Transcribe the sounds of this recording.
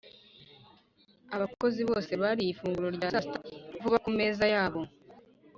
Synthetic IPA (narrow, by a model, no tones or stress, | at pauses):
aβako̞ziβo̞ːse̞βaɾijifuːŋɡuɾo̞ɾɟaːsastavuβakume̞ːzajaːβo̞